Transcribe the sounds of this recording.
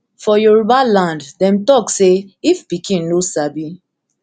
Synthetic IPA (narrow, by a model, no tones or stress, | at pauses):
fɔjoɹubalãnddɛ̃mtɔkseifpikĩnnosabi